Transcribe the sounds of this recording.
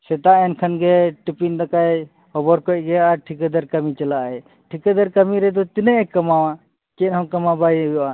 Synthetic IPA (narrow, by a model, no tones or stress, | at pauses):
sɛt̪aɛnkʰənɡɛʈipind̪akaj | hɔbɔɾkɔc̚ɡɛaaʈʰikəd̪əɾkəmit͡ʃəlaʔɛ | ʈʰikəd̪əɾkəmiɾɛd̪ɔt̪inɛkəmawa | kɛnɦɔ̃kəmabajjɔʔa